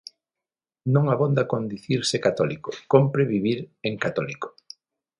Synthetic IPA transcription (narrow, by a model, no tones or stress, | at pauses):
nõŋaβond̪akond̪iθiɾsekat̪ɔlikokompɾeβiβiɾeŋkat̪ɔliko̥